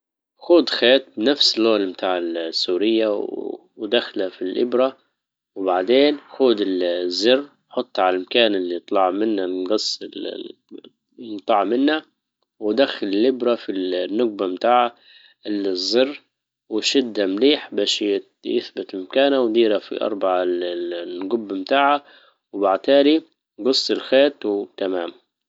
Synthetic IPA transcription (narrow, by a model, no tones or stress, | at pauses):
xuːd̪xeːt̪̚bnafsɪlːoːlmt̪ʰaːʕɪlsːuːɾɪjːaw | wd̪axlafilʔɪ̰bɾa | wbaʕd̪eːnxuːd̪ɪlzːɪrː | ħʊt̪ˤːʕalalmakaːnɪlːit̪ˤlɑʕmɪnːaɡɑsˤːɪl | t̪ˤɑʕmɪnːa | wd̪axːalɪlːɪbɾafilnːʊɡ̚bamt̪aːʕa | ɪzːɪrː | wɪʃɪd̪ːamliːħbaːʃjɪ | jɪ̰θbɪt̪mkaːnawd̪iːɾafḭʔɑ̰ɾˤbɑʕalɡʊbːmt̪aːʕa | wbaʕt̪aːli | ɡɑsˤːɪlxeːt̪wt̪amaːm